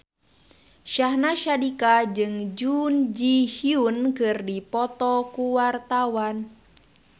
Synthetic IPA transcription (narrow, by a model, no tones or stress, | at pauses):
ʃahnaʃadikad͡ʒɨŋd͡ʒund͡ʒihiunkɨrdipɔt̪ɔkuwart̪awan